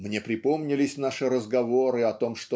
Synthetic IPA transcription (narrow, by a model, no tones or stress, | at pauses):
mnʲe̞pɾʲɪpo̞mnʲɪlʲɪsʲn̪aʂɨɾəzɡɐvoɾɨɐt̪o̞mʂt̪o